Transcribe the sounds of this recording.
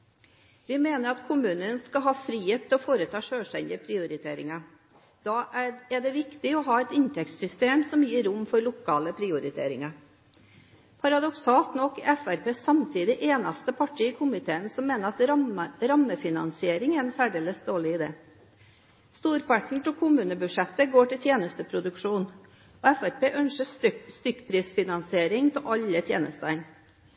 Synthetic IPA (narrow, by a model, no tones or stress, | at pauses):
ʋɪmeːnəɾɑt̪kʰʊmʉːnənskɑɦɑːfɾiːheːt̪ʰːɪɔfoːɾət̪ʰɑːʂøːʂʈɛnd̪ɪəpʰɾɪʊɾɪt̪ʰeːɾɪ̰ŋɑ | d̪̥ɑːʔæɖɛʋɪkt̪ɪɔɦɑːɛt̪ɪnt̪ʰɛkt̪sʏst̪eːmsɔmjiːɾʊmːfɔɾɭʊkʰɑːləpʰɾɪːʊɾɪt̪ʰḛːɾɪŋɑ | pʰɑɾɑd̪ɔksɑːlt̪nɔkːɪʔɛfæɾpeːsɑmt̪ʰiːd̪ɪʔeːnɑst̪əpʰɑʈʰiːəkʰʊmɪt̪ʰeːənsɔmːeːnəɾɑt̪ɾɑmːəfɪnɑ̰nsɪeːɾɪŋɛɾɛnsæːɖeːləsd̪oːɭɪɪd̪ḛː | st̪uːɾpɑʈɳ̩t̪ʰɪlkʰʊmʉːnəbʉʂɛt̪ːəɡoːʈɪlt̪ʰjeːnəst̪əpʰɾʊd̪ʉkʂuːn | ɔɛfæɾpeːʔœnʂəst̪ʏkːpʰɾiːsfɪnɑnsɪeːɾɪŋt̪ʰɪʔɑlːət̪ʰjḛːnəst̪ən